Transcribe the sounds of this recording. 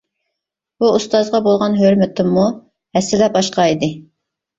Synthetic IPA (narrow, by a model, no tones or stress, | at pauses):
b̥uust̪ɑzʁɑbolˠʁɑnɦøɾmɪt̪ʰɪmːu | hɛsːɪlɛbɑʃqɑid̪ɪ